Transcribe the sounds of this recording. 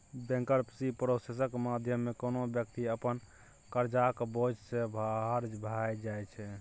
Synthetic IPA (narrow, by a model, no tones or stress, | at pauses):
bɛ̃ŋkəɾpsipɾosesəkmad̪ʱjəmːekonobjəkt̪iəpən | kəɾd͡ʒakbod͡ʒsẽbʱɦɾd͡ʒbʱajd͡ʒajt͡ʃʰɛ